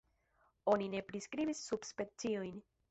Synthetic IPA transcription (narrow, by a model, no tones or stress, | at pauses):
o̞nine̞pɾiskɾibisːubspet͡siojn